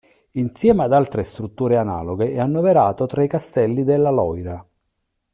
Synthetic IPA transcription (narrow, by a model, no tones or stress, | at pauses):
insjɛːmad̪alt̪ɾest̪ɾut̪ːuːɾeana̰ːloɡeɛanːoveɾaːt̪ot̪ɾaikast̪ɛlːid̪elːalɔjɾa